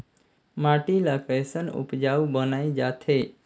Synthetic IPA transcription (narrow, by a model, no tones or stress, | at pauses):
maʈilakəjsənʊ̰pd͡ʒaubənaːid͡ʒat̪ʰe